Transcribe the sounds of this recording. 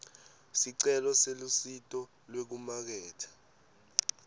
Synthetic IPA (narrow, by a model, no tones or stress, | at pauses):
siǀɛlɔselusitʼɔ | lwek̬umak̬ɛːtʰḁ